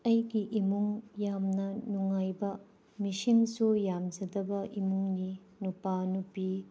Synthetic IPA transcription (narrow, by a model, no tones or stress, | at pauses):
ɐjɡiʔimuŋjamnɐnuŋajbɐ | misiŋsujamd͡ʒɐdɐbɐʔimuŋni | nupanupi